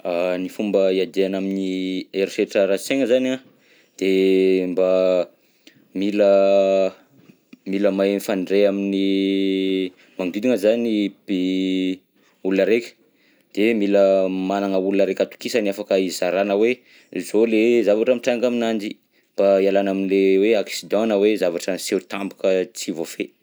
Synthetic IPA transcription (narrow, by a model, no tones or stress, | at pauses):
anifumbəiad̪eanaminieɾseʈ͡ʂəɾaseŋəzana | d̪̥emba | milə | miləmaenfaɳɖ͡ʐeamini | maŋd̪id̪iŋəzanibi | ulunəɾekʲə̥ | d̪̥emiləmanaŋəulunəɾekʲat̪u̥kisəniafakəizaɾanəwe | zolezavaʈ͡ʂəmiʈ͡ʂaŋɡaminand͡ʒi | mb̥aialanaminileweaksid̪ɔ̃nəwezavaʈ͡ʂənseɾt̪ambukət͡sivofe